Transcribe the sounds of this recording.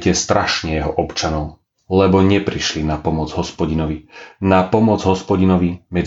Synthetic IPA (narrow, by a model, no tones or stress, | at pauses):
cɛst̪ɾaʃɲɛjɛɦɔʔɔpt͡ʃanɔʊ | lɛbɔɲɛpɾiʃlinapɔmɔd͡zɦɔspɔɟinɔʋinapɔmɔd͡zɦɔspɔɟinɔʋimɛd͡z